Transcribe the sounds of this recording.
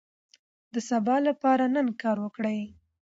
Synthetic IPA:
d̪əsabɑlapɑɾanənkɑɾwəkɽəj

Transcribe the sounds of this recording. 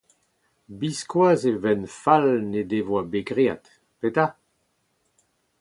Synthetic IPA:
biskwaːzevɛnfalned̪evwabeɡʁea̰t̪ | pet̪a

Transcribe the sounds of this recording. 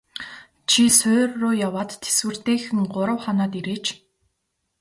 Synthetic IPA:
t͡ɕʰisʊːrːʊːjawaːt̪ːʰe̥swɘ̆r̥t̪eːxɘ̆ŋɢʊɾə̆wχanɔːt̪iɾeːt͡ɕ

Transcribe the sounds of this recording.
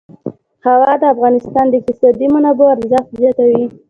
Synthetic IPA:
hawɑd̪əafɣɑnɪst̪ɑnd̪ək̪ɪsɑd̪imanɑboaɾzɑfzjɑt̪awi

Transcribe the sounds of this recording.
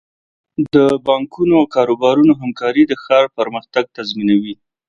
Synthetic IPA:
d̪əbɑŋkunoawkɑɾobɑɾunoɦamkɑɾid̪əxɑɾpəɾməxt̪aɡ̚t̪azminawi

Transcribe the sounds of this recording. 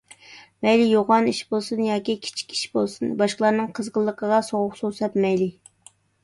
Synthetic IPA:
mɛjlijoʁɑniʃbolˠsɨnjɑːkʲikʲʰi̥t͡ʃʰi̥kʲi̥ʃbolˠsɨnbɑʃqəlˠɑɾnɨŋqʰəzʁəlˠːəqʰəʁɑsoʁʊqsosɛp̪mɛjli

